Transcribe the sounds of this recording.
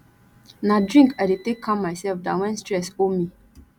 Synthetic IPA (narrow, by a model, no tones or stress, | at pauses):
nadɹĩŋkadetekʰːãmmːaɪsɛlfdãnwɛ̃nstɹɛsomi